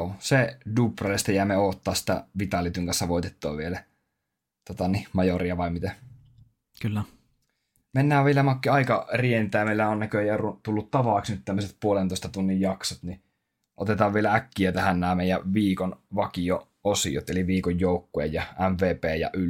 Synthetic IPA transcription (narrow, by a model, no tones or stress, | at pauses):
oːseduprɑlest̪æjæːmeoːt̪ːɑːssi̥t̪æ̰ʋit̪ɑlːit̪yŋkɑnsːɑʋoˑit̪et̪ːo̰ːʋʋielæ | t̪ot̪ɑnimɑjoriɑʋɑˑimit̪æ | kylːæ | menːæːʋʋielæmɑkːiɑikɑrient̪ˑæːmeˑilːæonnækøjærut̪ulːut̪t̪ɑʋɑˑːksnyt̪t̪æmːøset̪̚puolent̪oˑest̪ɑt̪unːijjɑksot̪ni | ʔo̰t̪et̪ɑːʋʋielæækːiæt̪æhænnæːmeˑijæʋiːkonʋɑkio | osḭo̰t̪eliʋiːkojjoˑukːuḛjjɑæmʋeːpeːjɑ̰ʔyl